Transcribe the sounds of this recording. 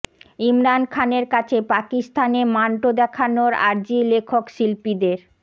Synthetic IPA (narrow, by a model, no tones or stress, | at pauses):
imɾankʰaneɾkat͡ɕʰepakist̪ʰanemaɳʈod̪ɛkʰanoɾa̰ɾd͡ʑilekʰokʃilpid̪eɾ